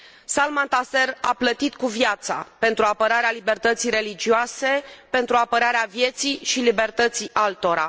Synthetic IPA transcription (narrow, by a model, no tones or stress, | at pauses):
salmant̪ase̞raplət̪it̪kuvjat̪sa̰pe̞nt̪ɾuapəɾaɾealibe̞rt̪ət̪sijɾe̞lid͡ʒioase̞pe̞nt̪ɾuapəɾaɾeavje̞t̪siʃilibe̞rt̪ət̪siʔalt̪o̞ɾa̰